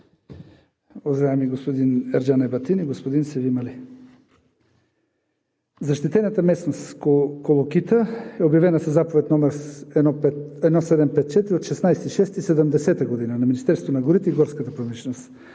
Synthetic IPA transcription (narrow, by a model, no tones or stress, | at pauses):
ozaɛmiɡospod̪inɛɾd͡ʒanɛbɐt̪iniɡospod̪insɛvimɐli | zɐʃt̪it̪ɛnat̪əmɛsnosokolˠokit̪əɛobjavɛnəsɛzapovɛt̪nɔmɛɾɛnɔpɛt̪ɛnɔsɛd̪ɛmpɛt̪̚t͡ʃɛt̪ɾiot̪ʃɛsnajsɛt̪iʃɛst̪isɛd̪ɛmd̪ɛsɛt̪əɡod̪inanɐminist̪ɛɾsovonɐɡoɾit̪ɛiɡɔɾskət̪əpɾomiʃɛnost̪